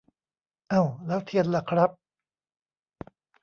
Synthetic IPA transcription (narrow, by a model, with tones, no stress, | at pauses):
ʔa˧˩wlɛː˦˥wt̪ʰi˧˩ənla˧kʰɾa˦˥p̚